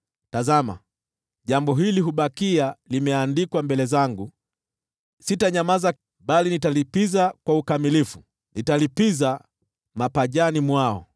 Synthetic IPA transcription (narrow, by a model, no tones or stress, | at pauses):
tazama̰ | ʄambɔɦiliɦuɓakialimɛandikwambɛlɛzaŋɡu | sitaɲamaza | ɓalinitalipizakwaukamilifu | nitalipiza | mapaʄanimwaɔ̰